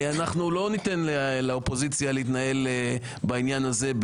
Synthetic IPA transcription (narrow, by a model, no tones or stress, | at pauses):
anaχnulo̞nit̪enlelaopo̞zit͡sjaleit̪nae̞l | bainjanaze̞b